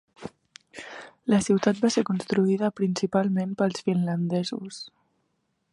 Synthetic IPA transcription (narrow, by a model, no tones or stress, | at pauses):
ləsiwt̪at̪̚baseɾkunst̪ɾuiðəpɾinsipalˠmempəlˠsfinlənd̪ɛzus